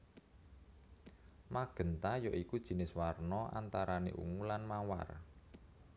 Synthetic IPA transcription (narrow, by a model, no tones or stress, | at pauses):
maɡ̥ə̤nt̪ajɔʔikud̥ʒ̥i̤nɪswarnɔʔa̰nt̪aɾanḛʔṵŋulanmawa̰r